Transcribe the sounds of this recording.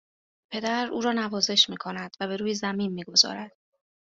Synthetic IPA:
pʰe̞d̪æɾuːɾɒːnævɒːze̞ʃmiːkʰo̞næd̪̥væbe̞ɾuːjezæmiːnmiːɡo̞zɒ̰ːɾæd̪̥

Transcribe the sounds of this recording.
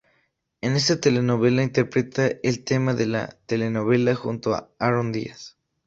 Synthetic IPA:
e̞ne̞st̪at̪e̞le̞no̞βe̞laint̪e̞ɾpɾe̞t̪aelt̪e̞maðe̞la̰t̪e̞le̞no̞β̞e̞laxunt̪oa̰aɾond̪ḭas

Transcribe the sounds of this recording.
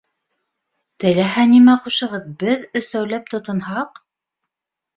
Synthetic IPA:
t̪ɘ̆læɦænimæquʃɤ̆ʁɤðbɘðɵ̆sæwlæp̚t̪ŏt̪ɤ̆nhɑq

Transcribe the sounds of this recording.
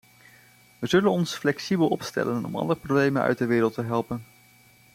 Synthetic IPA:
ʋəzɵlənɔnsflɛksibəlˠɔpstɛ̰lənɔ̰mɑ̰ndərprowblejmənœ̰ɥt̚dəʋɪːɾəlˠtəɦɛlˠpən

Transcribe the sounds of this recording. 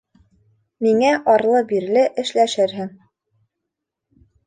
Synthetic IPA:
miŋæʔɒɾlˠɤbiɾlɘʔɘ̆ʃlæʃɘɾɦɘŋ

